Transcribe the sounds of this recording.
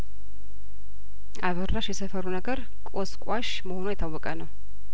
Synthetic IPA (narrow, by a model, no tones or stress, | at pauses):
ʔaβərːaʃjɛsəfəɾunəɡəɾ | kʼoskʼaʃ | məhonuajt̪ʰːawːɔkʼənəw